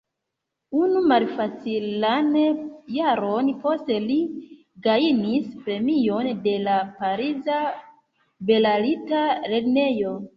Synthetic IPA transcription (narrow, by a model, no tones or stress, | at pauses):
unumalfat͡silanjaɾo̞npo̞ste̞li | ɡainispɾe̞mijo̞nde̞lapaɾiza | be̞lalitaɾe̞dne̞jo̞